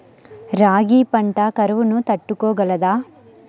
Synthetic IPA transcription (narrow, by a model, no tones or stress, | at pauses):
ɾaːɡiːpɐɳʈɐkɐɾɐʋunut̪ɐʈːukoːɡɐlɐd̪aː